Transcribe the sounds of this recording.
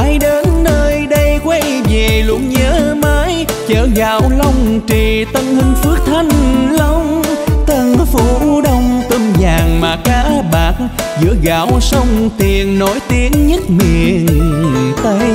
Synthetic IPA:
aː˨˦jɗe˨˦nːəː˧jɗə˧jkwa˧jve˨˩lṵ˧˩əŋɲəː˨˦maː˨˦j | t͡ɕəː˧˩ɣaː˧˦wlə˧wŋ͡mt͡ɕi˨˩t̪ə˧nhï˧ŋ̟fɨ˦˥ək̚t̪ʰa˧jŋ̟lə˧wŋ͡mt̪ə˧nfu˧˩ɗə˧wŋ͡mt̪ə˧mzaː˨˩ŋmaː˨˩kaː˧˦ɓaː˨˩k̚ | zɨ̰˧˥əɣa̰ː˧˩wsə˧wŋ͡mt̪i˨˩ənːo˧˩jt̪i˨˦ənɲɨ˦˥t̚mi˧˨əənt̪ə˧j

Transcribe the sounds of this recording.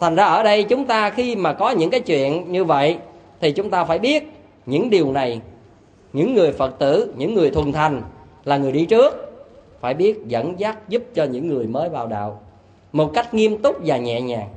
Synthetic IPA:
t̪ʰa˨˩ŋ̟zaː˧ʔəː˧˩ɗə˧jt͡ɕʊ˨˦ŋ͡mt̪aː˧xi˧maː˨˩kɔ˨˦ɲɨ̰˧˥ŋkaː˨˦jt͡ɕwḭ˧˨ənɲɨ˧və̰˧˨jt̪ʰi˨˩t͡ɕʊ˨˦ŋ͡mt̪aː˧faː˧˩jɓi˦˥ət̚ | ɲɨ̰˧˥ŋɗi˨˩əwna˨˩j | ɲɨ̰˧˥ŋːɨ˨˩əjfə˨˩t̚t̪ɨ̰˧˩˥ɲɨ̰˧˥ŋːɨ˨˩əjt̪ʰə˨˩nt̪ʰa˨˩jŋ̟ | laː˨˩ŋɨ˨˩əjɗi˧t͡ɕɨ˦˥ək̚faː˧˩jɓi˦˥ət̚zə̰˧˥nzaː˦˥t̚zu˦˥p̚t͡ɕɔ˧ɲɨ̰˧˥ŋːɨ˨˩əjməː˨˦jvaː˨˩wɗa̰ː˧˨w | mo˨˩t̚ka˦˥jk̟̚ŋi˧əmt̪ʊ˦˥k͡p̚vaː˨˩ɲɛ̰˧˨ɲaː˨˩ŋ

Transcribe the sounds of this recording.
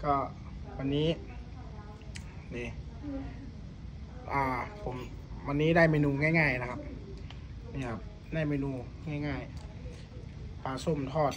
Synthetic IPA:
kɔː˧˩ | wa˧nːiː˦˥ | niː˧˩ | ʔaː˧˩pʰo˨˩˦mwa˧nːiː˦˥daː˥˩jmeː˧nuː˧ŋaː˧˥˩jŋaː˧˩jna˧kʰa˧p̚ | niː˧˩kʰa˧p̚ | daː˥˩jmeː˧nuː˧ | ŋaː˥˩jŋaː˧˥˩j | pʰaː˧˩so˧˩˨mt̪ʰɔː˧˩t̪̚

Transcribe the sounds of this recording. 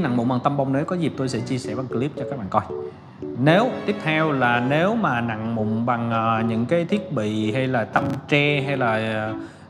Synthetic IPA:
na̰˧˨ŋmʊ̰˧˨ŋ͡mɓa˨˩ŋt̪ə˧mva˧wŋ͡mnəː˨˦kɔ˨˦zi˨˩p̚t̪o˧jsɛ̰˧˥t͡ɕi˧əsɛ̰˧˩ɓa˨˩ŋkli˦˥p̚t͡ɕɔ˧kaː˦˥k̚ɓa̰ː˧˨˩kɔ˧j | ne˨˦wt̪i˦˥əp̚t̪ʰɛ˧wlaː˨˩ne˨˦wmaː˨˩na̰˧˨ŋmʊ̰˧˨ŋ͡mɓa˨˩ŋː˨˩ɲɨ̰˧˥ŋkaː˨˦jt̪ʰi˦˥ət̚ɓḭ˧˨ha˧jlaː˨˩t̪ə˧mt͡ɕɛ˧ɦa˧jlaː˨˩

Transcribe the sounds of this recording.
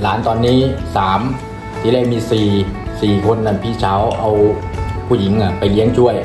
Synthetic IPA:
laː˩˦nt̪ɔː˧nːiː˦˥saː˩˦m | t̪ʰiː˧˦li˧˩jmiː˧siː˨˩siː˨˩kʰo˧nːa˧˩pʰiː˧˩t͡ɕʰaː˩˦wʔa˧wpʰuː˧˩ji˩˦ŋʔa˧˩pa˧˨jli˦˥əŋt͡ɕʰu˥˩əj

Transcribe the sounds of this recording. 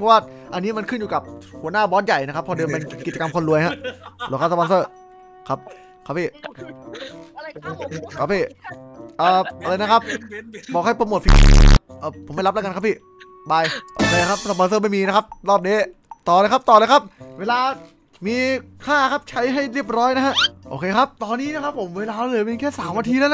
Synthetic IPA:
ɔ˦˥waː˥˩ʔa˧nːiː˦˥ma˧nkʰɯ˥˩njuː˨˩ka˨˩p̚hu˩˦naː˥˩bɔː˦˥nja˨˩jna˦˥ka˦˥pʰːɔ˧dɯː˧mpe˧nki˨˩t̚t͡ɕa˧ka˧mkʰo˧nɾu˧əjha˦˥ʔɾo˧˩˦kʰaː˥˩sa˧pɔː˧nsɤː˥˩ | kʰa˦˥p̚ | kʰa˦˥pʰiː˥˩ | kʰa˧˩pʰiː˥˩ʔəː˨˩ʔa˧la˧jna˥kʰa˦˥p̚bɔː˨˩k̚ha˥˩jpa˧mo˨˩t̪̚pi˧˩ʔɤː˧˩pʰo˨˩˦ma˥˩jlp̚lːka˧kʰa˦˥pʰiː˥˩ | baː˧jʔoː˧˩kʰeː˧kʰa˦˥p̚sa˧paː˧ns̬ɤː˥˩ma˥˩jmiː˧na˦˥kʰa˦˥p̚ɾɔː˥˩p̚niː˦˥ | t̪ɔː˨˩lːjkʰa˦˥p̚t̪ɔː˨˩lɤː˧jkʰa˦˥p̚weː˧laː˧ | miː˧kʰaː˥˩kʰa˦˥p̚t͡ɕʰa˦˥jɦa˥˩jɾi˥˩əp̚ɾɔː˦˥jna˦˥kʰha˦˥ʔʔoː˧kʰeː˧kʰa˦˥p̚t̪ɔː˧nːiː˦˥ni˥˨kʰa˦˥pʰːo˩˦mweː˧laː˧˦˥lɤ˧jpi˧kʰɛː˥˩saː˨˩˦mwa˧t̪ʰiː˧eː˧˦˥l

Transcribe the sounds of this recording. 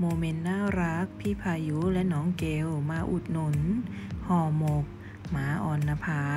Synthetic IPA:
moː˧me˧nːaː˥˩ɾa˦˥k̚pʰi˦˧˥pʰaː˧ju˦˥lɛ˦˥ʔnɔː˩˦ŋke˧wmaː˧ʔu˨˩t̪̚no˨˦n | hɔː˧˩mo˨˩k̚ | maː˩˦ʔɔː˧nːa˧pʰaː˧

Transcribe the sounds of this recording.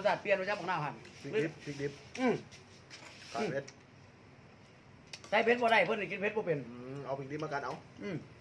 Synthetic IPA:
saː˧˩t̪̚pi˧˨nː˧˩a˧˥p̚ma˧˨naː˧˩wha˧˩npʰi˧i˧˥i˧p̚pʰi˧k̚di˧˥p̚ʔɯː˧˩m | ka˨˧˩pʰe˦˥t̪̚ | t̪aː˧˥˩pʰe˧˦˥bɔː˧ɾa˧˩jpʰɤ˧˨ni˧˩ki˧˥t̚pʰe˦˥bɔː˧pe˨nː˧ʔa˧˦wpʰi˧k̚di˧˥p̚maː˧ka˨˧˨nʔa˨˧˦wʔɯː˧˩

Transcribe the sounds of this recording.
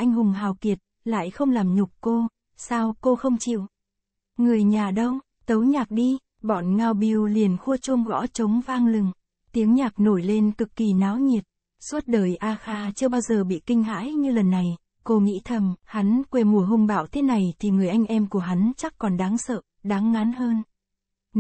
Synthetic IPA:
ʔa˧jŋ̟hʊ˨˩ŋ͡mɦaː˨˩wki˨˩ət̚ | la̰ː˧˨jxə˧wŋ͡mlaː˨˩mɲʊ˨˩k͡p̚ko˧ | saː˧wko˧xə˧wŋ͡mt͡ɕḭ˧˨w | ŋɨ˨˩əjɲaː˨˩ɗə˧w | t̪ə˨˦wɲaː˨˩k̚ɗi˧ | ɓɔ˧˩nŋaː˨˩wɓi˨˩wli˨˩ənxu˧ət͡ɕo˧mɣɔ̰˧˥t͡ɕə˨˦wŋ͡mvaː˧ŋlɨ˨˩ŋ | t̪i˨˦əŋɲaː˨˩k̚no˧˩jle˧nkɨ˨˩kːi˨˩naː˨˦wɲi˨˩əp̚ | swə˦˥t̚ɗəː˨˩jʔaː˧xaː˧t͡ɕɨ˧əɓaː˧wzəː˨˩ɓḭ˧˨kï˧ŋ̟ɦa̰ː˧˥jɲɨ˧lə˨˩nːa˨˩j | ko˧ŋḭ˧˥t̪ʰə˧˩mha˨˦nkwe˧˩mu˨˩əɦʊ˧ŋ͡mɓa̰ː˧˩˨wt̪ʰe˨˦na˨˩jt̪ʰi˨˩ŋɨ˨˩əjʔa˧jŋ̟ʔɛ˧mku˧˩əɦa˨˦nt͡ɕa˦˥k̚kɔ˨˩nɗaː˨˦ŋsə̰ː˧˨ | ɗaː˨˦ŋːa˨˦nhəː˧n

